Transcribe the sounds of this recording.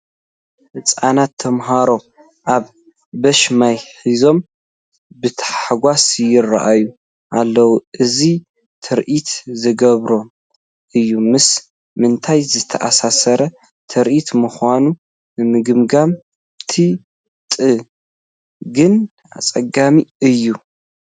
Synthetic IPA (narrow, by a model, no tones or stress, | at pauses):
ʔɨt͡sʼanat̪ʰːɐmɦaɾo̞ | ʔaβ | bɐʃmajħizo̞m | bɨt̪ʰɐ̥ħaħaɡʷasjɪrːa̰ʔajːu | ʔalːɐwuʔɨzi | t̪ʰɐɾʔit̪zɨɡɐβɾo̞ | ʔɨjːumɨs | mɨnt̪ʰajzɨt̪ʰɐʔasasɐɾɐ | t̪ʰɐɾʔit̪mɨxʷanu | nɨmɨɡɨmɡam | t̪ʰi | t̪ʼɨ | ɡɨn | a̰t͡sʼɐɡamiɨjːu